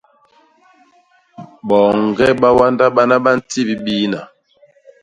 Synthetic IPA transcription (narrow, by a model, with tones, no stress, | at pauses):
ɓɔː˨ŋ˨ɡɛ˦ɓa˦wa˦nda˦ɓa˦na˦ɓa˦n̩˦ti˦˨bi˦ɓiː˦na˨